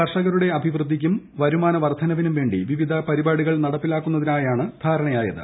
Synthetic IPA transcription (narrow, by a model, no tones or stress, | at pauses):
ɐrʂɐɣɐɾuɽe̞ɐbʱiʋrɨd̪ʱːikʲːum | ʋɐɾumaːnɐʋɐrd̪ʱʰɐnɐʋinumʋe̞ːɳɖḭʋiʋid̪ʱɐpɐɾibaːɽuɣɐɭnɐɽɐpːilaːkːunːɐðinaːjaːɳɨd̪ʱaːɾɐɳɐjaːjɐ̰ðɨ̰